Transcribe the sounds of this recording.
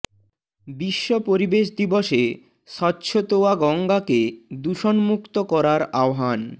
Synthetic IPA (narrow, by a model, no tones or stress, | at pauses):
biʃːopoɾibeʃd̪iboʃe | ʃɔtːɕʰot̪oaɡɔŋɡaked̪uʃonmukt̪okɔɾaɾaoɦan